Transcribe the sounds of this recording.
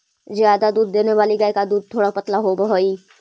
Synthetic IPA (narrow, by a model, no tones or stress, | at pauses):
zjaːd̪ad̪uːd̪ːeːneʋaːliɡəekad̪uːd̪̚t̪ʰːoːɽapɐt̪laɦobəɦoi